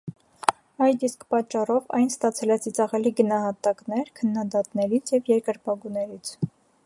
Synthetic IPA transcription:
ɑjd̪iskpɑt͡ʃːɑrɔvɑjnst̪ɑt͡sʰɛlɛt͡sʰit͡sɑʁɛliɡənɑɦɑt̪ɑknɛɾkʰənːɑd̪ɑt̪nɛɾit͡sʰjɛvjɛɾkəɾpɑɡunɛɾit͡sʰ

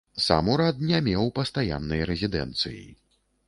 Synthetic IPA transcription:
sa̰muɾat̪̚nʲamʲɛwpɐst̪aja̰nːɨjɐɾɛzʲid̪ɛ̰nt̪sɨ̰jḭ

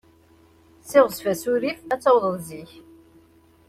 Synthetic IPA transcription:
sɪʁsfæsuɾifæt͡sːɑwðˤəðziç

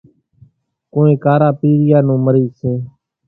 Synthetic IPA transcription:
kõːẽːkaːɾaːpiːɾɪjaːnũːməɾiːseː

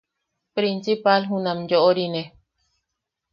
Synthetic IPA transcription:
pɾinsipalɦũnãmd͡ʒoʔoɾine

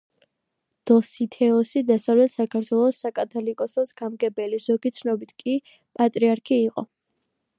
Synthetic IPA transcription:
d̪̥ɔsit̪ʰɛɔsid̪asavlɛt̪ʰsakʰaɾt̪ʰwɛlˠɔsakʼat̪ʰɔlikʼɔsasɡamɡɛbɛlizɔɡit̪sʰnɔbit̪ʰkʼi | pʼat̪ʼɾiaɾkʰiːqʼɔ

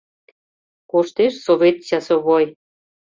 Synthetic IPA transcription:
koʃt̪eʃsoβʲet̪t͡ɕɑsŏβoj

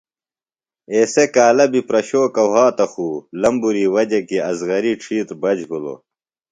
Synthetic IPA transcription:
eːsekaːlɐbipɾɐɕoːkɐwɦaːt̪ɐxuːlɐmbuɾiːwɐd͡ʑekiɐzɣɐɾiʈ͡ʂʰiːt̪bɐd͡ʑbʱulo̰

